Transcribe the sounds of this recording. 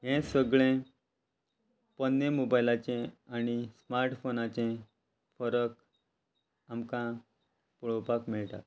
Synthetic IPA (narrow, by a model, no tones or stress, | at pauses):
ɦɛ̃səɡɭẽ | pənːemobajlat͡ɕẽañismaɾʈfonat͡ɕẽ | fəɾək | amkã | puɭopakmiɭʈa̰t̪